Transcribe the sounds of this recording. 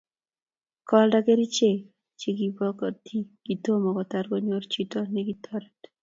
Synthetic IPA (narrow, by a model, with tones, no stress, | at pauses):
kɔ˦lda˦ɡe˦ɾi˦t͡ʃe˦˨ | t͡ʃe˦ɡi˨bɔ˦kɔ˨t̪ʰi˦ɡ̥i˨t̪o˦mɔ˨kɔ˨t̪a˨ɾɡɔ˦ɲo˦ɾt͡ʃi˦tɔ˦nɛɡit̪ʰɔ˦ɾed